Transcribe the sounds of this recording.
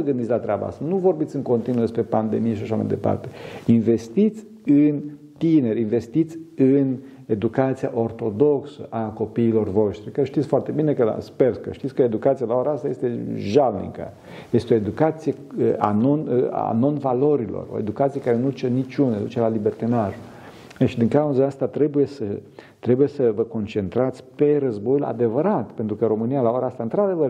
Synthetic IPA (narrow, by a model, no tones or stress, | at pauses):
məɡɨnd̪it̪ʲlat̪ɾeaba̰a̰st̪anuvo̞rbit̪sʲɨŋko̞nt̪inud̪e̞spɾe̞pand̪e̞mijeʃaʃama̰jd̪e̞̰pa̰rt̪e̞̥inve̞st̪it̪sʲ | ɨn | t̪ine̞rinve̞st̪it̪sʲɨn | e̞d̪ukat̪sijaʔo̞rt̪o̞d̪o̞ksə̰ʔako̞piːlo̞rvo̞ʃt̪ɾʲikəʃt̪it̪ʲfoart̪e̞bine̞kəla̰sperkə̰ʃt̪it̪sʲkəed̪ukat̪sijalaoɾaast̪aje̞st̪e̞ʒalnḭŋkə̰ | je̞st̪eo̞ed̪ukat̪sije | əa̰nona̰no̞nvalo̞ɾilo̞̰ro̰e̞̰d̪ukat̪sijekaɾenud̪ut͡ʃenit͡ʃund̪ut͡ʃelalibert̪inaʒu | ʃid̪iŋkauzaast̪at̪ɾe̞buje̞sə | t̪ɾe̞buje̞səvəko̞nt͡ʃe̞nt̪ɾat̪sʲpe̞rəzbo̞jula̰d̪e̞vəɾat̪pe̞nt̪ɾukəɾo̞mɨnijalaoɾaast̪aɨnt̪ɾad̪e̞vər